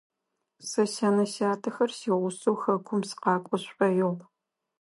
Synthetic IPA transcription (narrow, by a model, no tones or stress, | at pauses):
sɐɕaːnɐɕaːtʰɐxɐrsiːʁʷʊsowxɐkʷʰʊmsqɑːkʷʼɔɕʷʼɐjoʁ